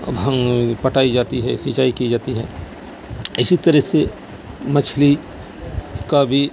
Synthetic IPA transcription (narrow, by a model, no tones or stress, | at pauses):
bpɐʈaːid͡ʒaːt̪iɦɛ̰siːt͡ʃaːikid͡ʒaːt̪iɦɛː | ɪsit̪ɐɾəɦse | mɐt͡ʃʰli | kabʱi